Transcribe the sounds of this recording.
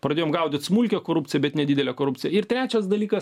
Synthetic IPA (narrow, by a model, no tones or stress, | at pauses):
pɾɐdʲeːjoːmɡɐʊd̪ʲɪt̪smulʲkʲɛkoːɾupʲt͡sʲsʲɪjɛbʲɛt̪nʲɛd̪ʲɪːd̪ʲɛlʲɛkoːɾʊpʲt͡s̪ʲɪjɛɪɾt̪ʲɾʲæːt͡ʃʲɛsd̪ɐlʲiːkɐs